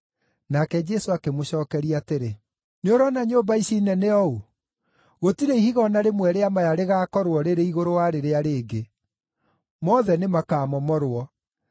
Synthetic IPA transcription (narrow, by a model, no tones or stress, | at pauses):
nakɛd͡ʒɛsoakemoɕɔːkɛɾiateɾe | neoɾɔnaɲoːbaiɕinɛneɔu | ɣotiɾeihiɣɔnaɾemwɛɾeamajaɾeɣaːkɔɾwɔɾeɾeiɣoɾowaɾeɾeaɾeːɡe | mɔðɛnemakaːmɔmɔɾwɔ